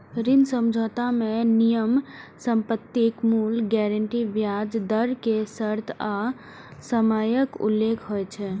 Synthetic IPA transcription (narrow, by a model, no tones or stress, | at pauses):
ɾinsəmd͡ʒʱɔːt̪amẽnijəmsəmpət̪ːikmuːlɡɛɾəɳʈiʋjad͡ʒd̪əɾkesəɾt̪ʰa | səmaːjəkṵlːekʰɦoɛt͡ʃʰɛ